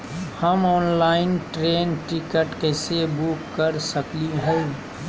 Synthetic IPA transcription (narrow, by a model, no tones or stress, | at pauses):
həmɔːnlaːɪnʈɾeːnʈikəʈkeːsebukːəɾsəkliɦɛ̃